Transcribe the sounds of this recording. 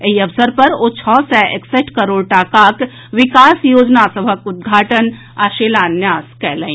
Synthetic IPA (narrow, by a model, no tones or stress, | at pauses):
eɦiɐʋsəɾpɐɾoːt͡ʃʰɔːsɛʔekseʈkɐɾoːɽʈaːkaːk | ʋɪkaːsjoːd͡ʒnasɐbʱəkʊd̪̚ɡʱaːʈən | aːʃeːlaːnjaːskɛːlə̃ĩ